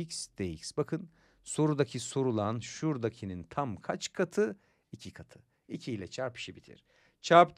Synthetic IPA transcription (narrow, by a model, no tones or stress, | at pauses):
csd̪̥ejḭcsbakʰɯn | so̞ɾud̪acʰiso̞ɾulˠanʃuɾd̪acʰinint̪ʰamkʰat͡ʃkʰat̪ʰɯ | icʰikʰat̪ʰɯ̥ | icʰiːlʲɛt͡ʃʰaɾpi̥ʃibit̪ʰḭɾ̥ | t͡ʃʰaɾp̪